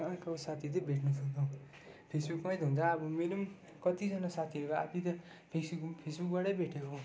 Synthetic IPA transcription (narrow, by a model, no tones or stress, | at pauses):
kʌsat̪ʰit̪ʌbʱeʈʰnusʰʌnt̪ʰw̃ | pʰesbukmajd̪ʱɦũnt͡sʰʌːbʌmeɾo | kʌt̪id͡zʌnasat̪ʰiʌɾukoa̰p̪it̪ʌ | pʰesbukpʰesbuk̚baɽʌjbʱeʈʰje